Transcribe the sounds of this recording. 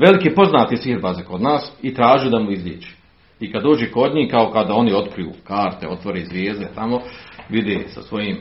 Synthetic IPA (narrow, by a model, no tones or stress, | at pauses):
ʋe̞likiːpo̞znaːt̪isʋiːɾbazekod̪naːsit̪ɾaːʒijud̪amuizlʲeːd͡ʒe̥ | ikad̪oːd͡ʒeko̞d̪ɲiːhkaokad̪ao̞nio̞t̪kɾijṵːkaːɾt̪eo̞t̪ʋoɾezʋjeːzd̪et̪amo̞ʋid̪esa̰sʋo̞jiːm